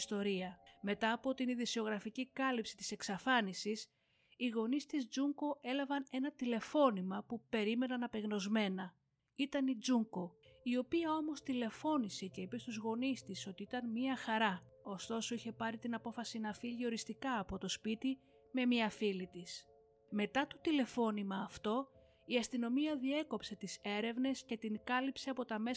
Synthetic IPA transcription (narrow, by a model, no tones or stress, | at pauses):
st̪o̞ɾiɐme̞t̪ɐːpo̞t̪iniðisio̞ɣɾɐficikɐlipsi̥t̪i̥se̞ksɐfɐnisis | iɣo̞nist̪izd͡zuŋko̞ʔe̞lɐvɐne̞nɐt̪ile̞fo̞nimɐpupe̞ɾime̞nɐnɐpe̞ɣno̞zme̞nɐ | it̪ɐnid͡zuŋko̞io̞piɐo̞mo̞st̪ile̞fo̞nise̞ce̞ipest̪uzɣo̞nist̪iso̞t̪iit̪ɐnmiɐxɐɾɐ | o̞st̪o̞so̞içe̞pɐɾit̪inɐpo̞fɐsinɐfiʎio̞ɾist̪ikɐːpo̞t̪o̞spit̪i | me̞miɐfilit̪is | me̞t̪ɐt̪o̥t̪ile̞fo̞nimɐːft̪o̞ | iɐst̪ino̞miɐðie̞ko̞pse̞t̪ise̞ɾe̞vne̞sce̞t̪iŋkɐlipse̞ɐpo̞t̪ɐme̞